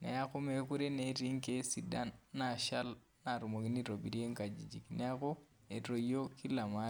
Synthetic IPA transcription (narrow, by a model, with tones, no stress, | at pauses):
ne˨a˦ko˦me˨ku˦ɾe˦ne˨˦ɾi˦ŋke˦si˨da˦nːa˨ʃa˦l | na˨ɾu˨mo˨ki˦ni˦ɾo˨bi˨ɾi˦e˦ŋka˨d͡ʒi˨d͡ʒi˨knɛ˦a˦ko˦ | e˨ɾo˨jo˦ki˦la˨ma˦